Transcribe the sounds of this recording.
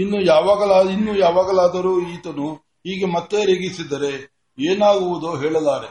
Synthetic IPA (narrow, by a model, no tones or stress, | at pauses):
inːujaːʋaːɡɐlainːujaːʋaːɡɐlaːd̪ɐɾuːiːt̪ɐnu | ɦiːɡemɐt̪ːe̞ɾeɡisid̪ɐɾe̞ | eːnaːɡuʋud̪oːɦeːɭɐlaːɾe